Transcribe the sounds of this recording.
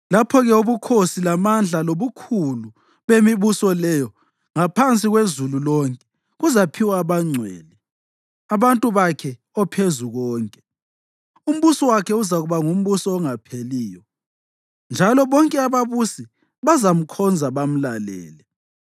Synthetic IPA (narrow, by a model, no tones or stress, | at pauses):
lapʰɔɣɛoβukʰosilamand͡ɮʱaloβukʰulu | βemiβusɔlɛjɔ | ŋapʰant͡sʼiɣwezululɔŋkʼɛ̥ | ɣuzapʰiwaːβaŋ͡ǀʱwḛːli | aβantʼuβakʰɛ | ɔpʰezuɣɔːŋkʼɛ | um̩βusɔwakʰɛuzaɣuβaŋum̩βusɔːŋapʰeliːjɔ | nd͡ʒʱalɔβɔŋkʼɛaβaβusi | βazam̩kʰɔnd͡zʱaβam̩lalɛ̰ːlɛ